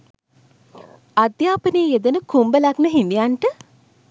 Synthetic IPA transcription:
ad̪jaːpəneːjed̪ənəkumbəlaknəɦinijanʈə

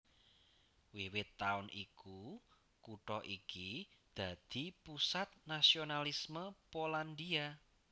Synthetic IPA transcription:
wiwɪt̪ːaʊnʔiku | kuʈɔʔikid̪̥ä̤d̪̥i̤pusat̪̚nasionalisməpoland̪ia

